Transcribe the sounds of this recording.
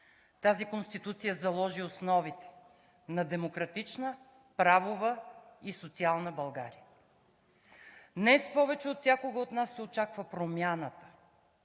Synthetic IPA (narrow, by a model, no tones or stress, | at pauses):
t̪azikonst̪it̪ut̪sijəzɐlˠɔʒiosnɔvit̪ɛ̥ | nɐd̪ɛmokɾɐt̪it͡ʃnə | pɾavovəisot̪sialˠnəbɐlˠɡa̰ɾijə | d̪nɛspɔvɛt͡ʃɛot̪sʲjakoɡəot̪nasːɛot͡ʃakvəpɾomjanət̪ə̥